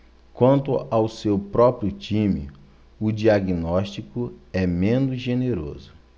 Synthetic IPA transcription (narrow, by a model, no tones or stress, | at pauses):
kwɐ̃nt̪ʊawsewpɾɔpɾijʊt͡ʃĩmɪ̰ | ʊd͡ʒiaɡinɔʃt͡ʃikʊɛmẽnʊzʒeneɾo̰zʊ